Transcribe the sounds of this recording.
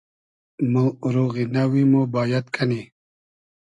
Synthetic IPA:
moɾoɣinawimobaːjat̪kʰɐni

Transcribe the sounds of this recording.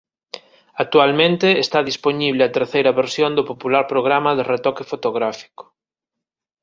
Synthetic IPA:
ak̚t̪ualmẽnt̪ɪːst̪aðisponiβlɪat̪eɾθejɾɐβeɾsjond̪opopulaɾpɾoɣɾamɐðeret̪ɔkefot̪oɣɾafi̥ko̥

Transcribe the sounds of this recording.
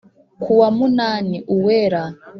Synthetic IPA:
kʰuwamunaːniʔuweɾa

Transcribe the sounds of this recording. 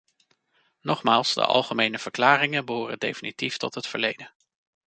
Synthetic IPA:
nɔχmaːlˠsdə̰ʔɑ̰lˠχəmejnəv̥əɹklaːrɪŋənbəɦʊːrə̰dḛjfinitiftɔtɦətfə̰ɹlejdən

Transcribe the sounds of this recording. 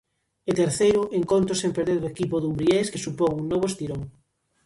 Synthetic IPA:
et̪eɾθejɾʊʔeŋkont̪ɾʊsempeɾðeɾðoekipoðumbɾieskesupoŋuŋnɔβ̞oest̪iɾoŋ

